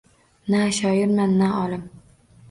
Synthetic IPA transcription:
naʃɒjɪɾmanːaɒlˠɪm

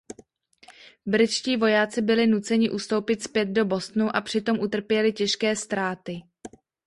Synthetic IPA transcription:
bɾɪt͡ʃciːvo̞jaːt͡sɪbɪlɪnut͡sɛɲɪʔust̪o̞wpɪt̪spjɛd̪̚do̞bo̞st̪nuʔapr̥ɪt̪o̞mʔut̪r̩pjɛlɪcɛʃkɛːst̪ɾaːt̪ɪ

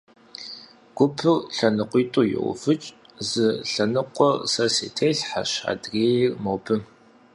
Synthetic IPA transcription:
ɡ̥ʷʊpʰɨrɬɐnɨqʷiːtʼuːjɪ̰ʔʷʊ̰fɨt͡ʃʼ | zɨɬɐnɨqʷʼɔrsɐsḛːtʰeːɬħaɕa̰dreːjrmowpʰɨ

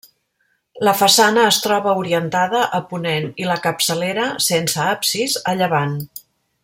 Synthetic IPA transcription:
ləfəsanəːst̪ɾɔβəuɾiənt̪aðəʔəpuneniləkəpsəleɾəsensəapsizəʎəβan

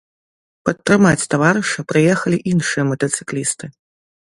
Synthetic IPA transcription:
pɐt̪ːɾɨmat͡sʲt̪avaɾɨʂɐpɾɨjɛxɐlʲiʔinʂɨjɐmɐt̪ɐt̪sɨ̥klʲist̪ɨ

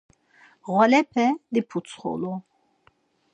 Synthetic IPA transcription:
ʁɔlɛpʰɛd̪ipʰut̪t͡sʰχɔ̰lu

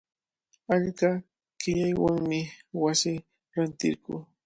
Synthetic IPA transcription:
aʎɢɑ | kɪʎajwaŋmɪwasɪ | ɾant̪ɪ̰ɾkʊ̰ː

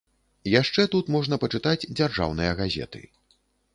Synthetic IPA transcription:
jaʂt͡ʂɛt̪ut̪mɔʐn̪ɐpɐt͡ʂɨt̪ad͡zʲd͡zʲarʐa̰wn̪ɨjɐɣazʲɛ̰t̪ɨ̰

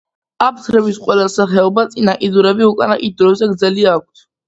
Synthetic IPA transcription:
ap̚ʰt̪ʰɾɛbisqʼwɛlasaχɛɔbat̪sʼinakʼid̪uɾɛbiukʼanaχʼit̪̚d̪ɾɔzɛɡɾd̪zɛliaːk̚ʷʰt̪ʰ

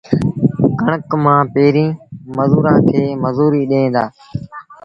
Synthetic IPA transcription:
kəɳəkmãːpeːɾĩːməzuːɾãːt̪ʰeːməzuːɾiːɗẽːnd̪aː

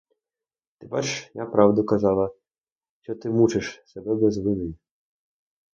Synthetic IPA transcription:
t̪ɪbɛʃjapɾɑwd̪ʊkɐzɑlˠɐ | ʃt͡ʃɔt̪ɪmut͡ʃɪʃsɛbɛbɛzʋɪnɪjʲ

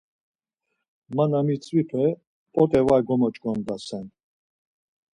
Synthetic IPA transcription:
manamit͡sʼvipʰɛ | pʼɔt̪ʼɛvajɡɔmɔt͡ʃʼkʼɔnd̪asɛn

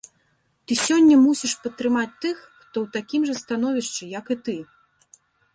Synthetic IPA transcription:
t̪ɨsʲɔnʲːɐmusʲiʂpɐt̪ːɾɨmat͡sʲt̪ɨxxt̪ɔwt̪akʲimʐɐst̪an̪ɔvʲiʂt͡ʂɨjɐkɨt̪ɨ

